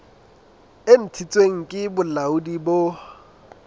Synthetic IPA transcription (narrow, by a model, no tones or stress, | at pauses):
en̩tʰit͡sʼweŋ̩kʼɪbʊlaʊdibo